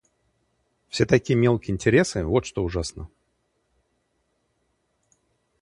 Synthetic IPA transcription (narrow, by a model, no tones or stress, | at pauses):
fsʲet̪ɐkʲijəmʲe̞lˠkʲɪɪnʲtʲɪɾʲesɨvot̪ʂt̪oʊʐasnə